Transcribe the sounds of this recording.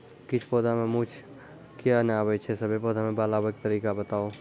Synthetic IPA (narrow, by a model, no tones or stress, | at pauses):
kɪt͡ʃʰpoːd̪ʱamẽmũt͡ʃʰ | kjanaːbet͡ʃʰesɐbʱepoːd̪ʱamẽbaːlabək̚t̪ɐɾiːkabɐt̪aːo